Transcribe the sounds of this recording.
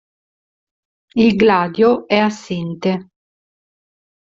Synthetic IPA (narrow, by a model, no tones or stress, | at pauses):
ilɡlaːd̪joɛasːint̪e